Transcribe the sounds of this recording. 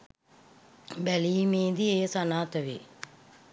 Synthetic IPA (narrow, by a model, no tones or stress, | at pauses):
bɛlimeːd̪ieːsanaːt̪ɐʋḭ